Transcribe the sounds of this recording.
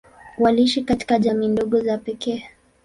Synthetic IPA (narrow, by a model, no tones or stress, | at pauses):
waliiʃikati̥kaʄamiːndɔɠɔzapɛkʰɛː